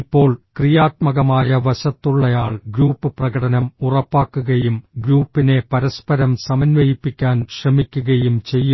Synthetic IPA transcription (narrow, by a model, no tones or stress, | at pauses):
ipːo̞ːɭkrijaːt̪̚mɐɣɐmaːjɐʋɐɕɐt̪ːuɭːɐjaːɭɡɾuːpːɨprɐɣɐɽɐnɐmurɐpːaːkːuɣɐjumɡɾuːpːine̞pɐɾɐspɐɾɐmsɐmɐnʋɐjipːikʲːaːnɕrɐmikʲːuɣɐjumt͡ɕe̞jːu